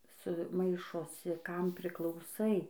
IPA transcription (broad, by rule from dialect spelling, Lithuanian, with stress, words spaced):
sʊ ˈmɐɪʃoːsʲɪ ˈkɐm pʲrʲɪklˠɐʊˈsɐɪ